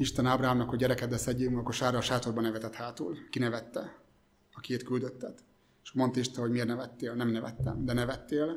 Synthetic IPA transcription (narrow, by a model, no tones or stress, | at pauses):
iʃt̪ɛnaːbɾaɦaːmnɒkhoɟɛɾɛkɛd̪ɛsɛɟːeːmkoʃaːrɒːʃaːt̪o̞rbɒnɛvɛt̪ɛt̪haːt̪ṵlkinɛvɛt̪ːɛ | ɒkieːt̪kyld̪øt̪ːɛt̪ | eʃmo̞nt̪ɒiʃt̪ɛɦo̞ɟmeːrnɛvɛt̪ːeːlnɛmnɛvɛ̰t̪ːɛ̰md̪ɛnɛvɛt̪ːeːl